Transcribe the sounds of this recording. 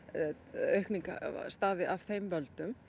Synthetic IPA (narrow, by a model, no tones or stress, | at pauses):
œɥhkniŋka̰st̪aːvɪʔavθejmvœlt̪ʏm